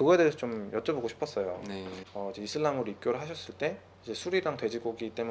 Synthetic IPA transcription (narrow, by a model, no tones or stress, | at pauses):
kɯɡʌedesʰʌt͡ɕomjʌt͡ɕ͈ʌboɡoɕʰi̥pʰʌs͈ʌjo̰eʌid͡ʑe̞isʰɯɭːamɯɾoipk͈joɾɯɭɦaɕʰʌs͈ɯɭt͈e̞ | id͡ʑe̞sʰuɾiɾaŋtwe̞d͡ʑiɡoɡit͈e̞mu